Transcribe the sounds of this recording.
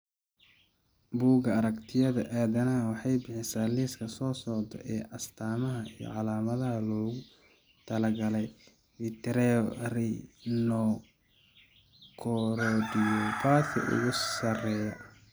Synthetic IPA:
buːɡɐɐɾɐkt̪ʰɪjɐðɐʔaːðɐnɐɦɐwɑħɑjbɪħɪsaːliːskʰɐsɔːsɔʕd̪ɔ̰ʔɛːʔɐst̪ʰaːmɐɦɐijɔ̰ʕɑlaːmɐðɐɦɐlɔːɣʊ | t̪ʰɐlɐɡɐlɛj | fit̪ʰɛɾɛɔrinɔ | kʰɔɾɔɖijɔbaːd̪kʰɐ̰ʔʊ̰ɣʊsɐrɛːjɐ

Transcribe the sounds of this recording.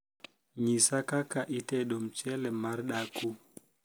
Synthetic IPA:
ɲisakakaʔitɛɗɔm̩t͡ʃɛlɛmaɾɗaku

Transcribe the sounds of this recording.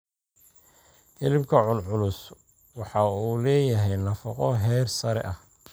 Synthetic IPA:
hɪlɪbkʰɐʕʊnʕʊlʊs | wɑħɑuːlɛːjɐɦɛjnɐfɑqɔɦɛːrsɐɾɛ̰ʔɐh

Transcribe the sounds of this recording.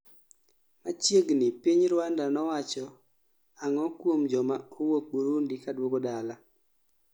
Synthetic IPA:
mat͡ʃjeɡnipiɲɾwandanɔwat͡ʃɔ | aŋɔkwomd͡ʒɔmaowok̚boɾundikadwokodala

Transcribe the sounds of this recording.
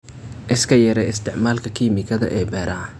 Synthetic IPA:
ʔɪskʰɐjɛɾɛɪst̪ʰɪʕmaːlkʰɐkʰiːmɪkʰɐðɐ̰ʔɛːbɛːɾʔɐɐ

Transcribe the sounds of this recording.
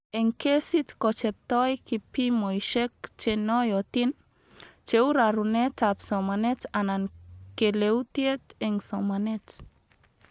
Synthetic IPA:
eŋkesit̪kɔt͡ʃɛp̚t̪ɔjkipimojʃek̚t͡ʃenɔjɔt̪in | t͡ʃeuɾaɾunetapsɔmanetanankeleut̪jet̪eŋsomanet

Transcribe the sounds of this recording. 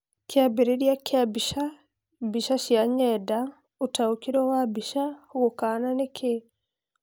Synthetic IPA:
kjabeɾeɾjakjabiʃa | biʃaʃjaɲɛda | utaukiɾɔwabiʃaɣokananekʰe

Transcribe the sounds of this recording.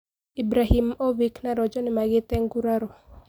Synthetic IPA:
ibɾahimoviknaɾɔd͡ʒɔnɪmaɡɪt̪ɛŋɡuɾaɾɔ

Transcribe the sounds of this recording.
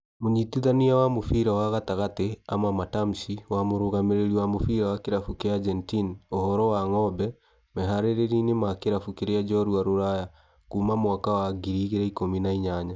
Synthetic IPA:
moɲitiðaniawamofiɾawaɣataɣatea̰mamatam̩siwamoɾoɣameɾeɾiwamofiɾawakeɾafukead͡ʒɛntinohɔɾɔwaŋɔbɛ | mɛɦaɾeɾeɾinemakeɾafukeɾead͡ʒɔɾuaɾoɾaja | kumamowakawaɡiɾiɣeɾɛikominaiɲaɲa

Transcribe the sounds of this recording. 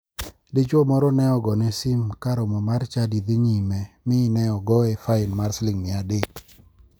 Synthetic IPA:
dɪt͡ʃɔmɔɾɔnɛɔɡɔnɛsimkaɾɔmɔmart͡ʃadid̪iɲimɛmɪnɛɔɡɔɛfaɪnmaɾslɪŋmɪadek

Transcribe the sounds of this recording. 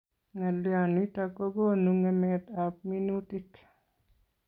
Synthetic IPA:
ŋaljanitakoɡonuŋɛmɛt̪ap̚minutɪk

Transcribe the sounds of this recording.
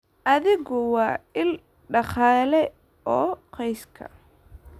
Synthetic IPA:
ʔɐðɪɣɔwɑːɪl | ɖɑχɑːlɛ | ʔɔːqɛjskʰɐ̰

